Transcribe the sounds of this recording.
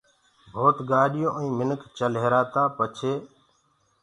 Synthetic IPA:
bʱoːt̪ɠaːɗɪjõːʔəĩːmɪnəkʰt͡ʃəlɦeːɾaːt̪aːpət͡ʃʰeː

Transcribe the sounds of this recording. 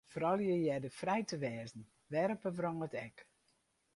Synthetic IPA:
foɾɔlˠjəjɛdəfrɛjtəʋɛːzn̩ | ʋɛɾpəfrɔŋətɛk

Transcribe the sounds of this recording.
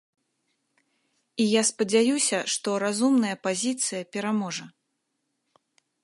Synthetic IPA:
ijaspɐd͡zʲajusʲɐʂt̪ɔɾazumnɐjɐpazʲit̪sɨjɐpʲɛɾamɔʐɐ

